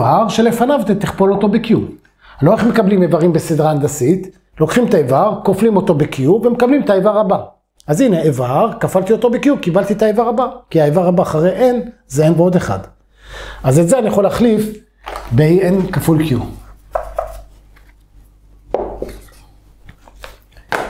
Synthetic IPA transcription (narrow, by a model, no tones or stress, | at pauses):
aʁʃe̞le̞fanavt̪et̪iχpo̞lo̞t̪o̞bekijum | aloeχme̞kablimevaʁimbesid̪ʁaːnd̪asit̪ | lo̞kχimt̪aevaʁkoflimo̞t̪o̞bekijuvemekablimt̪aevaʁaba | azineʔevaʁkafalt̪io̞t̪o̞bekijumkibalt̪it̪aevaʁabakiaevaʁabaχaʁejʔenzeenbeo̞d̪eχa̰d̪ | azezeanijaχo̞laχlif | beienkafulkju